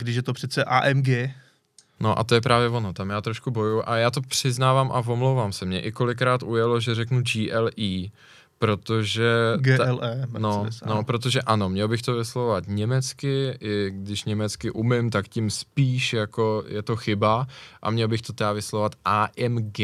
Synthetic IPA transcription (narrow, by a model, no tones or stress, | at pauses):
ɡdɪʃjɛt̪opr̥ɛt͡sɛʔa̰ːʔɛmɡɛ | noʔa̰t̪ojɛp̬ɾaːvjɛvo̞not̪amjaːt̪ɾoʃkubo̞juʔajaːt̪o̞pr̝̥ɪznaːvamʔavo̞mlowvaːmsɛmɲɛʔɪko̞lɪk̬ɾaːt̪ʔujɛlo̞ʒɛrɛknud͡ʒiːʔɛlʔiː | pɾo̞t̪o̞ʒɛɡɛlɛnonopɾo̞t̪̬o̞ʒɛʔano̞mɲɛlbɪxt̪o̞vɪslovvat̪ɲɛmɛt͡skɪʔɪɡdɪʃɲɛmɛt͡skɪʔumɪmt̪akcɪmspiːʃjako̞jɛt̪o̞xɪbaʔa̰mɲɛlbɪxt̪ot̪ɛdavɪslovat̪ʔaːʔɛmɡɛ